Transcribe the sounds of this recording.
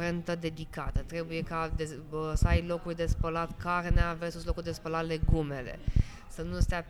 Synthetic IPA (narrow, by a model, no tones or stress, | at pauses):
ɾe̞nt̪əd̪e̞d̪ikat̪ət̪ɾe̞buje̞kad̪esəajlo̞kurʲd̪e̞spəlat̪kʰarneavesuslo̞kurʲd̪espəlat̪le̞ɡume̞le̞̰ | sənust̪ea